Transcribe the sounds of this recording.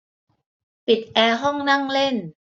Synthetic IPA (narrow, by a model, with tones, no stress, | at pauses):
pi˨˩t̪̚ʔɛː˧ɦɔ˥˩ŋna˥˩ŋle˥˩n